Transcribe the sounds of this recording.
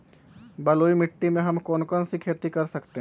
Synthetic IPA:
bɐloːimɪʈːimẽɦɐmkɔːnkɔnsikʰeːt̪ikɐɾsɐkt̪eɦ

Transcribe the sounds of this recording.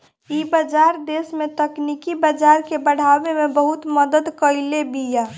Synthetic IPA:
ibəd͡ʒaɾd̪esmet̪əknikibəd͡ʒaɾkebəɽ̤abemebəɦut̪məd̪əd̪kəɪlebija

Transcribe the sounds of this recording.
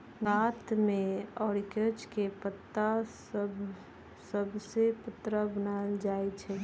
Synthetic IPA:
ɡaːt̪mẽɔːɾɪkət͡ʃkepət̪ːasəb | səbsepət̪ːɾabənald͡ʒaːet͡ʃʰɛː

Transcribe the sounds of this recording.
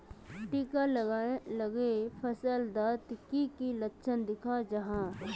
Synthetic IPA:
ʈiːkaləlɐɡepʰəsəld̪aːt̪kikilətːʃʰənd̪ɪkʰad͡ʒɐɦãː

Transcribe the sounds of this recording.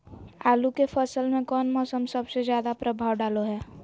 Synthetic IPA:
aːlukepʰəsəlmẽkɔːnmɔːsəmsɐbsezjaːd̪apɾəbʱaːʋɖaːloɦɛː

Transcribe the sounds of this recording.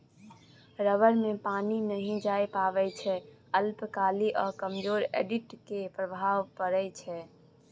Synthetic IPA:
ɾəʋəɾmẽpaninəɦĩd͡ʒaepaːʋɛt͡ʃʰɛ | əlpkaːliʔɔːɾkəmd͡ʒoːɾḛɖiʈkepɾəbʱaːʋpəɾɛt͡ʃʰɛ

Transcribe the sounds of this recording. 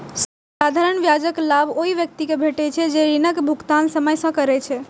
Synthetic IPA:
s | sad̪ʱaɾəɳʋjad͡ʒəklabʱoɦiʋjək̚t̪ikebʱeʈɛt͡ʃʰɛd͡ʒeɾinəkbʱukt̪ansəməjsə̃kəɾɛt͡ʃʰɛ

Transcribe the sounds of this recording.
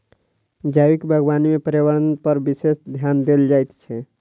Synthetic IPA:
d͡ʒawikbʱəɡbanmepəɾewəɾənpəɾbisesd̪ʱjand̪eld͡ʒajt̪t͡ʃʰɛ

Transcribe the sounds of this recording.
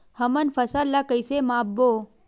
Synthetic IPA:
həmənfəsallːakəjsemaːbːo

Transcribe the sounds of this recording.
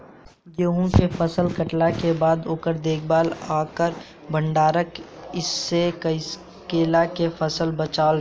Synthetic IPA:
joɦũkefʰəsəlkəʈlakebaːd̪oːkəɾd̪eːkʰbaːlaːkəɾ | bʱə̃ɳɖaːɾəkɪsːekəɪs | keːlakefʰəsəlbət͡ʃaːl

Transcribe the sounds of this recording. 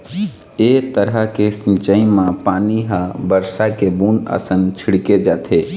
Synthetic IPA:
et̪əɾəkesĩnt͡ʃəimãpaːniɦabəɾsakebuːnə̰sənt͡ʃʰiɽked͡ʒaːt̪ʰe

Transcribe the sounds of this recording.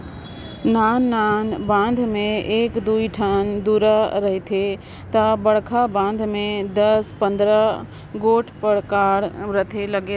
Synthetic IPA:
naːnːaːnbãːnd̪ʱmẽeːkd̪uiʈʰənd̪uɾəɾəɦit̪ʰe | t̪əbəɽkʰabãːnd̪ʱmẽd̪əspə̃nd̪ɾə | ɡoːʈʰpəɾkaːɾɾət̪ʰeləɡe

